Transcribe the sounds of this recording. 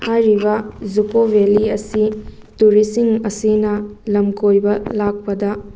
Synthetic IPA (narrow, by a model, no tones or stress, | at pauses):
hajɾibɐzukobeliɐsi | tuɾisiŋɐsinɐlɐmkojbɐlak̚pɐdɐ